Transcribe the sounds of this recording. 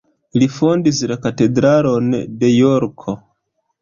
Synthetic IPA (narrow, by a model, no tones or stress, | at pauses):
lifondislakate̞dɾalonde̞joɾkʰo